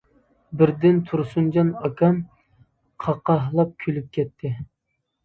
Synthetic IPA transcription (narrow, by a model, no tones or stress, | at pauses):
bɪɾd̪ɪnt̪ʰuɾsund͡ʒɑnɑkʰɑn | qʰɑqʰɑɦlˠɑp̚kʲʰylyp̚kʲʰɛt̪ʰːɪ